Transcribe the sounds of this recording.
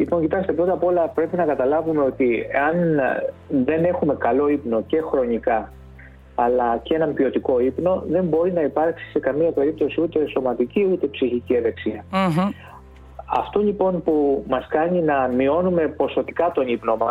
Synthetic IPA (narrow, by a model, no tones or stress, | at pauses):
lipo̞ɲcit̪ɐkst̪e̞pɾo̞t̪ɐpo̞lɐpɾe̞pinɐkɐt̪ɐlɐvume̞o̞t̪ieɐn | ðe̞ne̞xume̞kɐlo̞ipno̞ce̞xɾo̞ɲikɐː | lɐceenɐmpio̞t̪iko̞ipno̞ðe̞mbo̞ɾinɐipɐɾksi̥se̞kɐmiɐpe̞ɾip̚t̪o̞siut̪e̞so̞mɐt̪iciut̪e̞psiçicieðe̞ksiɐ | ɐ̰ft̪oʎipo̞npumɐskɐɲinɐmio̞nume̞po̞so̞t̪ikɐt̪o̞nipno̞mɐs